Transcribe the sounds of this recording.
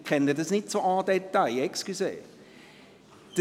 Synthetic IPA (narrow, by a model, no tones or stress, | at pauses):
kʰɛnədəsnɪtsoɑːdɛt̪ːalɛkskyseːf | d̥ə